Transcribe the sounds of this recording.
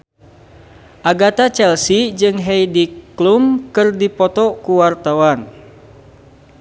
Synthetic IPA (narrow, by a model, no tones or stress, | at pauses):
ʔaɡat̪at͡ʃɛlsid͡ʒɨŋɦɛjdiklumkɨrdipɔt̪ɔkuwart̪awan